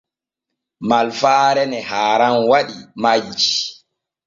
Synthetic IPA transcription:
malfaːɾɛnɛhaːɾanwaɗimad͡ʒi̥

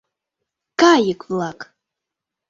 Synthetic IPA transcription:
kajɨkvlˠak

